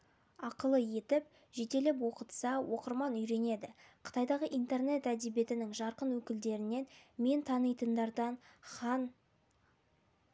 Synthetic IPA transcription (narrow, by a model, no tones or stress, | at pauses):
ɑqəlˠəje̞t̪ɪp̚ | ʒet̪e̞lɪp̬wo̞qət̪sɑwʔo̞qəɾmɑnʏjɾe̞ne̞d̪ɪqʰə̥t̪ɑjd̪ɑʁəʔijnt̪e̞rne̞t̪æd̪e̞bje̞t̪ɪnɪŋʒɑɾqənwɵkʲɪld̪e̞ɾɪne̞nme̞nt̪ʰɑnəjt̪ənd̪ɑɾd̪ɑnχɑn